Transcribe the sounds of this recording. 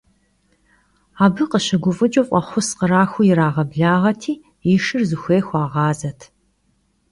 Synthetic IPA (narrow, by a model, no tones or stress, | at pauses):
aːbɨqəɕɐɡʷʊfʼɨd͡ʒʼowfʷʼɐχʷʊsqəɾaːxʷʊjɪɾaːʁɐbɮaːʁɐtʰiː | jɪʃɨrzɨxʷeːxʷaːʁɑːzɐtʰ